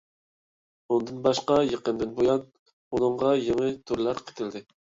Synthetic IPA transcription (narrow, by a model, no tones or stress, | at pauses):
und̪ɨnbɑʃqɑjeqənd̪ɪnbojɑn | unɨɴʁɑjeŋɨt̪ʰuɾlˠɑɾqʰe̥t̪ʰɪld̪ɪ